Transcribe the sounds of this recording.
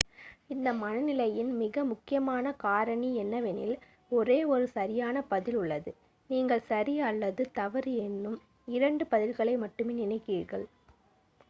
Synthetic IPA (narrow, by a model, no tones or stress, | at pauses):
ɪnd̪ɐmɐnɐnɪlɐjɪnmɪɣɐmʊkːɪjɐmaːnɐkaːɾɐɳiɛnːɐʋɛnɪ̰l | ɔɾeːɔɾɯsɐɾɪjaːnɐpɐðɪlʊɭːɐðɯ | niːŋɡɐɭsɐɾɪɐlːɐðɯt̪ɐʋɐɾɯɛnːɯm | ɪɾɐɳɖɯpɐðɪlɣɐɭɐɪmɐʈːɯmeːnɪnɐɪkːiːɾɣɐɭ